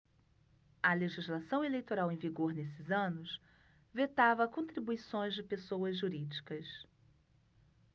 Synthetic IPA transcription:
ɐleʒizlasɐ̃w̃elejt̪oɾawẽj̃viɡoɾnesɪzɐ̃nʊs | vet̪avɐkõnt̪ɾibuisõj̃zd͡ʒɪpesowɐzʒuɾid͡ʒikɐs

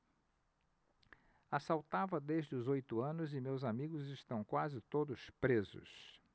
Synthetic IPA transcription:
asawt̪avɐd̪eʒd͡ʒɪʊzojt̪ʊɐ̃nʊzɪmewzamiɡʊzɪʃt̪ɐ̃w̃kwazɪt̪od̪ʊspɾezʊ̰s

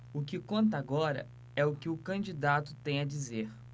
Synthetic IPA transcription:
ʊkɪkõnt̪̬ɐaɡɔɾɐ̰ | ɛʊkɪʊkɐ̃d͡ʒid̪at̪ʊt̪ẽj̃ɐd͡ʒizeɾ

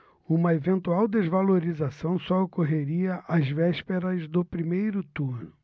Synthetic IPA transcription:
ũmɐevẽnt̪uawd̪ezvaloɾizasɐ̃w̃sɔokoɦeɾiɐʔazvɛʃpeɾɐzd̪ʊpɾimejɾʊt̪uɾnʊ

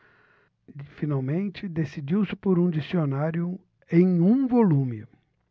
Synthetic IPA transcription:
finawmẽnt͡ʃɪd̪esid͡ʒiwsɪpoɾũd͡ʒisionaɾjʊ | ẽj̃ũvolũmɪ

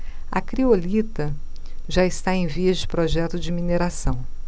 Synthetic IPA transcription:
ɐ̰kɾiolit̪ɐ | ʒaɪst̪aẽj̃viɐzd͡ʒɪpɾɔʒɛt̪ʊd͡ʒɪmineɾasɐ̃w̃

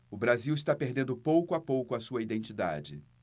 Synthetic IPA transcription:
ʊbɾaziwɪst̪apeɾd̪ẽnd̪ʊpowkʊapowkʊɐsuɐid̪ẽnt͡ʃid̪a̰d͡ʒɪ

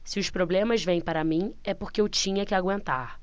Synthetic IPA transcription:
sɪʊspɾoblẽmɐzvẽj̃paɾɐmĩɛpoɾkɪewt͡ʃĩɲɐkɪaɡwẽnt̪aɾ

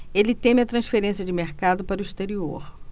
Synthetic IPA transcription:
elɪt̪ẽmɪɐt̪ɾɐ̃sfeɾẽsjɐd͡ʒɪmeɾkad̪ʊpaɾʊist̪eɾioɾ

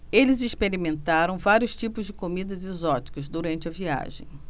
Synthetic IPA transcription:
elɪzispeɾimẽnt̪aɾɐ̃w̃vaɾjʊst͡ʃipʊzd͡ʒɪkomid̪ɐzezɔt͡ʃi̥kɐzd̪uɾɐ̃nt͡ʃɪɐvia̰ʒḛ̃j̃

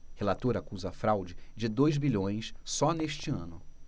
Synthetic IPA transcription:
helat̪oɾɐakuzɐːfɾawd͡ʒɪd͡ʒɪd̪ojzbiʎõj̃ssɔneʃt͡ʃɪɐ̰̃nʊ

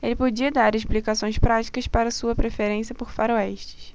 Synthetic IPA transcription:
elɪpod͡ʒiɐd̪aɾeʃ̬plikasõj̃spɾat͡ʃi̥kɐspaɾɐsuɐpɾefeɾẽsiɐpoɾfaɾoɛʃt͡ʃɪ̥s

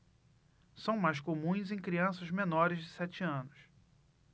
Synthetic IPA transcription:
sɐ̃w̃majskomũj̃zẽj̃kɾiɐ̃sɐzmẽnɔɾɪzd͡ʒɪsɛt͡ʃɪɐ̃nʊs

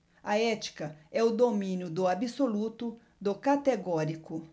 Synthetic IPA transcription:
ɐɛt͡ʃi̥kɐɛʊd̪omĩnjʊd̪ʊabisolut̪ʊ | d̪ʊkat̪eɡɔɾikʊ

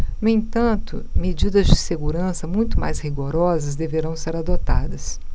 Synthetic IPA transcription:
nuẽt̪ɐ̃nt̪ʊ̰med͡ʒid̪ɐzd͡ʒɪseɡuɾɐ̃sɐmũj̃t̪ʊma̰jzhiɡoɾɔzɐzd̪eveɾɐ̃w̃seɾad̪ot̪a̰d̪ɐs

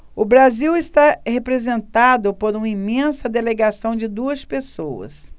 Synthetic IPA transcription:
ʊbɾaziwɪst̪ahepɾezẽnt̪ad̪ʊpoɾũmɐimẽsɐd̪eleɡasɐ̃w̃d͡ʒɪd̪uɐspesowɐ̰s

